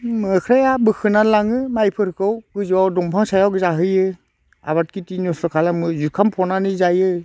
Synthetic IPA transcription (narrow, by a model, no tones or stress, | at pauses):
mkʰɾajabɯkʰɯnalaŋɯmajpʰɯɾkʰɯwkɯzawdɔŋpʰaŋsajawɡɯzaɦɯjɯ | a̰βat̚kitinɔsɔkʰalamɯzukʰampʰɔnanɯzajɯ